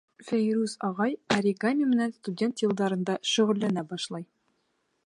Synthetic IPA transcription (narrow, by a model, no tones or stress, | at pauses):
fæjɾʉsɒʁɑjɐɾʲɪɡanʲɪmɘ̆nænst̪udʲe̞nt̪jɤ̆lˠd̪ɑɾɤ̆nd̪ɑʃɵ̆ʁɘ̆lːænæbɒʃlˠɑj